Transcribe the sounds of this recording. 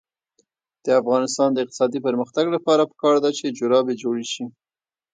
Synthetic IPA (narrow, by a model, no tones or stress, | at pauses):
d̪̥əafɣɑnɪst̪ɑnd̪əɪq̚t̪ɪ̥sɑd̪ipəɾməxt̪aɡlapɑɾapə̥kɑɾd̪at͡ʃed͡ʒʊɾɑbed͡ʒoɽeʃi